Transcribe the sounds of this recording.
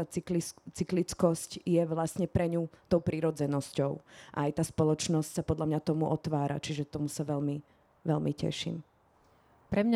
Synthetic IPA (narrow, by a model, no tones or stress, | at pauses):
alit͡siklit͡skɔscjɛʋlasɲɛpɾɛɲut̪ɔʊpɾiɾɔd͡zɛnɔscɔʊʔa̰ajt̪aːspɔlɔt͡ʃnɔscsapɔd̪ʎamɲat̪ɔmuʔɔt̪ʋaːɾa̰t͡ʃiʒɛt̪ɔmusaʋɛlmi | ʋɛlmicɛ̰ʃḭm | pɾɛmɲa